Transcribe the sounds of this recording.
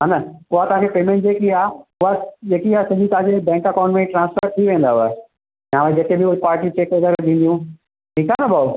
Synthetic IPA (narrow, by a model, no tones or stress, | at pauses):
ɦaːnɐʊɦat̪ɐʋãŋkʰepeːmẽɳʈd͡ʑeːkiaːʊɦad͡ʑeːkiaːsɐd͡ʑĩt̪ɐãd͡ʑebɛ̃ːŋkɐkãʊ̃ɳʈmẽʈɾãːnspʰəɾt̪ʰiʋẽːn̆d̪aɦa | jãːʋẽd͡ʑet̪ebʱɪʊpaːɾʈit͡ɕeːked̪əɾd̪ĩnd̪ijũ | ʈʰiːkanabʱau